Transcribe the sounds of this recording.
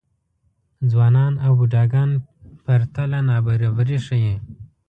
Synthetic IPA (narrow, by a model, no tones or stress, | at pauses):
d͡zwɑːnɑːnawbuɖɑːɡɑːnpaɾt̪alanɑːbaɾabaɾiʂaje